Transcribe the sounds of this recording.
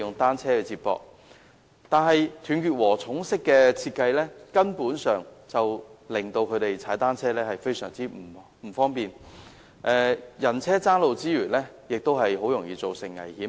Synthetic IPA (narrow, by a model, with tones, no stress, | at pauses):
ʊ˨ŋt̪aː˥nt͡sʰɛː˥kɛ˧t͡siː˧t̚pɔ̰ː˧k̚ | t̪aː˨nɦɐ˨jt̪ʰyː˨˩nkyː˨t̚wɔː˨˩t͡sʰʊ˨˥ŋsɪ˥kːɛː˧t͡sʰiː˧t̚kːɐ˧jlɛː˥kɐ˥npuː˨˥nsœː˨ŋt͡sɐ˨wlɪ˨˩ŋt̪o˧wkʰɵ˨˧t̪e˨jt͡sʰaː˨˥jt̪aː˥nt͡sʰɛː˥lɛː˥hɐ˨jfe˥jsœ̰ː˨˩ŋt͡siː˥m̩˨˩ | m̩˨˩fɔː˥ŋpiː˨˩n | ʔɛː˧jɐ˨˩nt͡sʰɛː˥t͡saː˥nlo˨wt͡siː˥ɥyː˨˩nlɛː˥ | jɪ˨k̚t̪o˥wɦɐ˨jɦo˨˥wjʊ˨˩ŋjiː˨˧t͡so˨wsɪ˨˩ŋːɐ̰˨˩jhiː˨˥m